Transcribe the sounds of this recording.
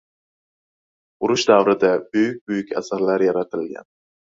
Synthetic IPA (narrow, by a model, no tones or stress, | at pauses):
ʊɾʊʃd̪avɾɪd̪abyjyk̚ʲbujykʲa̰saɾlaɾjaɾat̪ʰɪlɡʲa̰n